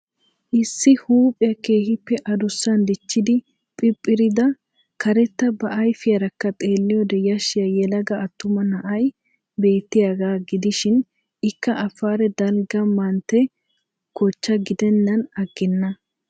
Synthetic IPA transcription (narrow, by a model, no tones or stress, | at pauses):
ʔɪsːɪhuːpʼɪjɐke̞ːhɪpːɛʔɐd̪ʊsːɐnd̪ɪt͡ʃːɪd̪ɪ | pʼɪpʼːɪɾɪd̪ɐ | kɐɾɛt̪ːɐbɐʔɐjfɪjɐɾɐkːɐt̪ʼe̞ːlːɪjɔd̪ɛjɐʃɪjɐjɛlɐɡɐːt̪ːʊmɐnɐʔɐj | be̞ːt̪ːɪjaɡaːɡɪd̪ɪʃɪn | ɪkːɐʔɐfaːɾɛd̪ɐlɡɐmɐnt̪ɛ | ɡɔt͡ʃːɐɡɪd̪ɛnːɐnɐɡːɪnːɐ